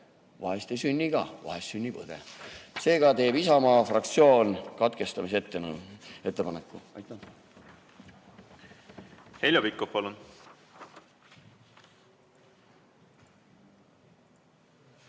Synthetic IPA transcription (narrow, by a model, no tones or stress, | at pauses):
vɑ̰ɦest̪esynʲːiɡ̥ɑvɑ̰ɦessynʲːipɤ̰d̪̥ḛse̞ːɡɑt̪e̞ːb̥isɑmɑːfrɑkt̪sio̞ːnkɑt̪ke̞st̪ɑmiset̪ːˑene̞t̪ˑːepɑnekːˑuɑ̰jt̪ˑːɑ | he̞lʲjopikːˑofpɑlun